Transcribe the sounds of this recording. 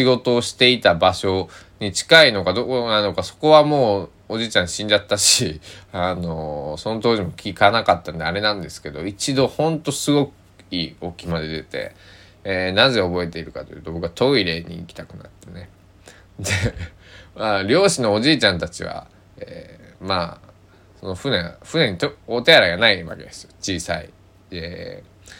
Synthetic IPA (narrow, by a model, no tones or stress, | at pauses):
ɕiɡo̞t̪o̞ːɕi̥t̪e̞it̪abaɕo̞ | ɲ̟it͡ɕi̥kaino̞ɡad̪okonano̞kaso̞̥ko̞βamoː | oʑiːt͡ɕãɰ̃ɕĩɲd͡ʑat̪ːaɕiano̞so̞not̪o̞ːʑimo̞kʲikanakat̪ːanod̪eaɾe̞nãnd̪e̞sɨ̥ke̞d̪o̞it͡ɕid̪o̞hõ̞nt̪o̞sɨɡo̞kɯ̟̥ | iːo̞kʲimad̪e̞d̪e̞t̪e̞̰ | enãze̞o̞bo̞e̞t̪e̞iɾɯ̟kat̪o̞jɯ̟ːt̪o̞bokɯat̪o̞iɾe̞ɲ̟ḭːkʲi̥t̪akɯ̟na̰t̪ːe̞ne̞ | d̪e | maɾʲo̞ːɕino̞ːʑiːt͡ɕãnt̪at͡ɕiβa̰ | eːma | so̞no̞ɸɯ̟nẽ̞ɸɯ̟nẽ̞ɲ̟it̪oot̪e̞aɾaɡanaiβa̰ke̞d̪esɨjot͡ɕiːsaḭ | e